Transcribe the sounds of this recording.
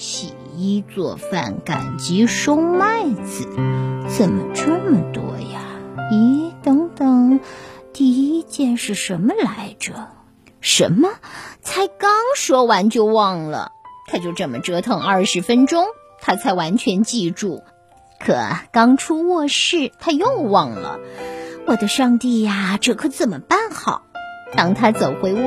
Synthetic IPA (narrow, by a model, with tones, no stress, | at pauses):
ɕḭ˨˩i˥t͡swɔ̰˥˧fa̰˥˩nka̰˨˩nt͡ɕi˧˥ʂo˥ʊma˥˩˧ɪt͡sɹ̩˨˩˦t͡sə˨˩mə˩ʈ͡ʂə˥˩mə˩t̪wɔ̰˥ja˧i˧˥t̪ɤ˧˥ŋt̪ɤ˨˩ŋt̪i˥˩i˥t͡ɕjɛ˥˧nʂɻ̩˥˩ʂə˧˥nmə˧la˧˥ɪʈ͡ʂə˧˩ | ʂə̰˧˥nmə˧t͡sʰa˧˥ɪkɑ˥ŋʂwɔ˥wa˧˥nt͡ɕjo˥˧ʊwɑ˥˩ŋlə̰˩t̪ʰa˥t͡ɕjo˥˧ʊʈ͡ʂɤ˥˩mə˦ʈ͡ʂɤ˧˥t̪ʰɤ˧˥ŋɐ˞˥˩ʂɻ̩˧˥fə˥nʈ͡ʂʊ˥ŋ | t̪ʰa˥t͡sʰa˧˥ɪwa˧˥nt͡ɕʰɥɛ˧˥nt͡ɕi˥˧ʈ͡ʂu˥˩ | kʰɤ̰˨˩kɑ˥ŋʈ͡ʂʰu˥wɔ˥˧ʂɻ̩˥˩t̪ʰa˥jo˥˩ʊwɑ˥˩ŋlə̰˩wɔ˨˩d̪ə˦ʂɑ˥˧ŋt̪i˥˩a˩ʈ͡ʂɤ˥˩kʰɤ˧˥t͡sə˨˩nmə˩pa˥˩nxɑ˨˩˦ʊt̪ɑ˥˧ŋt̪ʰa˥t͡so˨˩ʊxwe˥˩ɪ˥